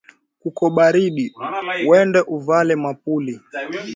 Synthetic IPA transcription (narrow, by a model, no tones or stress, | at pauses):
kukɔɓaɾiɗiwɛndɛʔuvalɛmap̚uli